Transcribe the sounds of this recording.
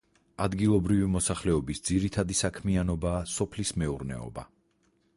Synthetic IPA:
ad̪ɡilˠɔbɾivimɔsaχlɛɔbisd̪ziɾit̪ʰad̪isakʰmianɔbaːsɔpʰlismɛuɾnɛ̰ɔ̰ba̰

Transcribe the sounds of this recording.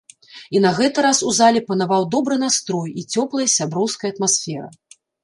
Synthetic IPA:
inɐɣɛt̪ɨɾasuzalʲɛpɐnavawd̪ɔbɾɨnast̪ɾɔjit͡sʲɔplˠɐjsʲabɾɔwskɐjɐt̪masʲfʲɛɾɐ̰

